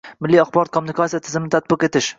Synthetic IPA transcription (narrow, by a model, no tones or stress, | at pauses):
mɪlːiaχbɒɾɔt̪̚kʰomːʊnɪkʰasijat̪ʰɪzɪmɪnɪt̪ʰat̪̚bɪqe̞t̪ʰɪʃ